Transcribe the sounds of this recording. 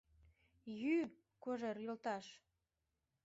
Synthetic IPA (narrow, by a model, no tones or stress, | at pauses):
jy | koʒeɾjəlt̪ɑʃ